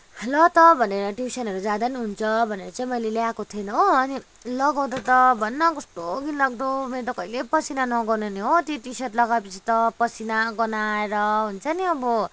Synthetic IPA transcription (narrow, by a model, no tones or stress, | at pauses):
lʌt̪ʌbʱʌneɾʌʈisʌnɦʌɾud͡zad̪ʌniɦunt͡sʰʌbʱʌneɾʌt͡saĩmʌjleljakot̪ʰienʌɦoʌni | lʌɡaw̃d̪at̪ʌbʱʌnːakʌsʈ̪oɡinlaɡ̚d̪omeɾt̪ʌkʌilepʌsinanʌɡʌneniɦot̪iʈisʌʈlʌɡawepʌt͡sʰit̪ʌpʌsinaɡʌnaeɾʌɦunt͡sʰʌniʌbʌ